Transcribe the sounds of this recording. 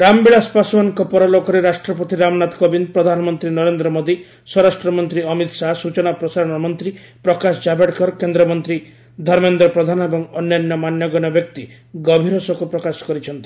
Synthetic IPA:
ɾambiɭaspasɔmaɔŋkɔpɔɾɔlokɔɾeɾasʈɾɔpɔt̪iɾamɔnat̪kɔbind̪̚pɾɔd̪ʱanɔmɔnt̪ɾinɔɾend̪ɾɔmod̪i | sɔɾasʈɾɔmɔnt̪ɾiɔmit̪saɦsut͡ʃɔnapɾɔsaɾɔ̃nɔmɔnt̪ɾi | pɾɔkasɔd͡ʒabeʈkɔɾkend̪ɾɔmɔnt̪ɾi | d̪ʱɔɾmend̪ɾɔpɾɔd̪ʱanɔebɔŋɔnjanjɔmanjɔɡɔnɔbjɔk̚t̪i | ɡɔbʱiɾɔsɔkupɾɔkasɔ̥kɔɾit͡ʃʰɔnt̪i

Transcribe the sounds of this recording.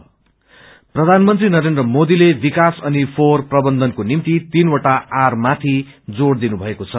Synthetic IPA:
prʌd̪ʱanmʌnt̪rinʌɾend̪rʌmod̪ilebikasʌnipʰorprʌbʌnd̪ʱʌnkonimt̪it̪inwʌʈaarmat̪ʰid͡zoɽd̪inubʱʌekot͡sʰʌ

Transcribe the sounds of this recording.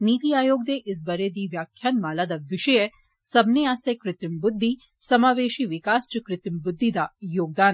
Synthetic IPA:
niːt̪iaːjoːɡ̚d̪eʔɪs̬bɐɾed̪iʋjaːkʰjaːnmaːlad̪aʋɪʃəje | sɐbneaːst̪ekɾɪt̪ɾɪmbʊd̪ʱːi | sɐmaːʋeːʃiʋɪkaːst͡ʃikɾɪt̪ɾɪmbʊd̪ʱːid̪ajoːɡ̚d̪aːn

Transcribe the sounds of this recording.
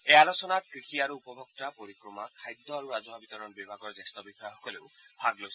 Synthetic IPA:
ealosɔnat̪kɹixiaɾuːpɔbʱɔk̚t̪apoɾikɾɔmakʰajd̪ʱːɔaɾuɾazɔɦɔbit̪ɔɾɔnbibʱaɡɔɹzast̪ɔbixɔjaxɔkɔleʊbʱaɡlos

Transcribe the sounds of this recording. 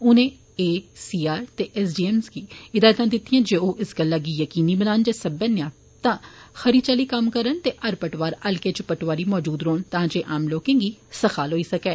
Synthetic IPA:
ʊnẽ | eːsiːaːɾt̪eʔɛːsɖiːɛmskiɪd̪aːjət̪ãd̪ɪt̪ʰːiɛ̃d͡ʒeoːʔɪskɐlaɡijɐkiːnibɐnaːnd͡ʒesɐbənjaː | t̪ãxɐɾit͡ʃəlikɐmkɐɾənt̪eʔɐɾpɐʈʋaːɾɐlket͡ʃpɐʈʋaːɾimɔːd͡ʒuːd̪ɾoːnt̪ɐɦãt͡ʃeʔaːmloːkẽŋɡisɐxaːlɦoːisɐkɛː

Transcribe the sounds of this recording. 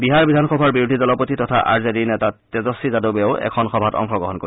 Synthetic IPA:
biɦaɹbidʱanxɔbʱaɹbiɹudʱidɔlɔpotitɔtʰaʔa̰ɹzedinɛtatɛzɔsizadobeʊɛ̰kʰɔnxɔbʱatɔ̰ŋxɔɡɹɔɦɔnkoi

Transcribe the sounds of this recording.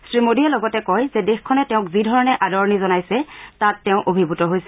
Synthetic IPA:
sɹimodiɛlɔɡɔtɛkɔjzɛdexkʰɔnɛtɛʊ̃kzidʱɔɹɔnɛʔadɔɹnizɔnajsɛtatːɛʊ̃ʔobʱibutɔɦojsɛ

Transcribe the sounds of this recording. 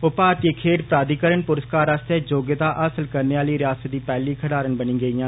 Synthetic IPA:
ʊpaːɾt̪ikʰeːʈpɾaːd̪iːkəɾəɳpʊɾəskaːɾast̪eːd͡ʒoːɡət̪aːʔəsəlkəɾneːaːliːɾɪjaːsət̪̚d̪iːpɛːliːkʰəɽaːɾənbənĩːɡəiːjãː

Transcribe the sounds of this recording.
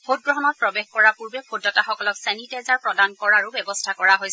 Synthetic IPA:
bʰʱot̚ɡɹɔɦɔnɔt̚pɹɔbexkɔɹapuɹbɛbʰʱodɔtaxɔkɔlɔksɛnitajzaɹpɹɔdankɔɹaɹubɛbɔstʰakɔɹaɦojs

